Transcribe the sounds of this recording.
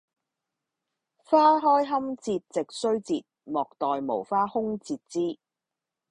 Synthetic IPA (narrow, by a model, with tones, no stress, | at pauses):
faː˥ɦɔː˥jɦɐ˥mt͡siː˧t̚t͡sɪ˨k̚sɵ˥ɥt͡siː˧t̚mɔː˨k̚t̪ɔː˨jmo˨˩wfaː˥hʊ˥ŋt͡siː˧t̚t͡siː˥